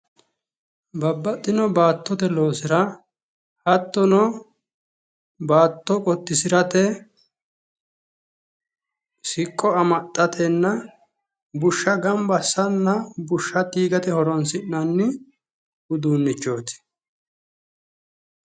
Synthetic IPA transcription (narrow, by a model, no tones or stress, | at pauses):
bɐbːɐt̪ʼːɪnɔbaːt̪ːɔt̪ɛlo̞ːsɪɾɐ | hɐt̪ːɔnɔ | baːt̪ːɔkʼɔt̪ːɪsɪɾɐt̪ɛ | sɪkʼːɔɐmɐt̪ʼːɐt̪ʰɛnːɐ | bʊʃːɐɡɐmbɐsɐnːɐbʊʃːɐt̪iːɡɐt̪ɛhɔɾɔnsɪnnɐnːɪ | ʊd̪uːnːɪt͡ʃːo̞ːt̪ɪ̥